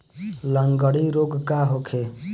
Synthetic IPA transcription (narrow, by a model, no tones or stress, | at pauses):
ləŋɡəɽiɾoɡkaɦokʰe